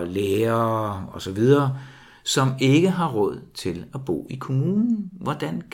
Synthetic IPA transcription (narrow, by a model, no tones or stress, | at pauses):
leːɐɒ̽sɒ̽ʋið̞ˠɐː | sɒ̽me̝ɡ̥əɦɑ̈ʁɔ̽ð̞̰ˠt͡sʰe̝læb̥ɔ̰ːikʰo̝muːnn̩ʋɒd̥ænk